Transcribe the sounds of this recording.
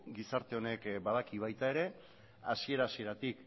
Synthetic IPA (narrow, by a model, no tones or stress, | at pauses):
ɡisaɾt̪e̞o̞ne̞kbaðakiβajt̪ae̞ɾe̞ | asie̞ɾasie̞ɾat̪ik